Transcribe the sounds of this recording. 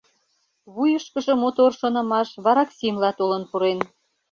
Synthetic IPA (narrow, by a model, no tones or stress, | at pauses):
βujəʃkəʒə̆mot̪orʃonɤ̆mɑʃβɑɾɑksimlɑt̪olənpuɾen